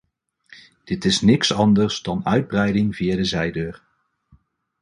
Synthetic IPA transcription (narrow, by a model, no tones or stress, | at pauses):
d̥ɪtɪsnɪksɑndəɹzdɑnœɥd̚brɛjdɪŋviːadəzɛjdøːɹ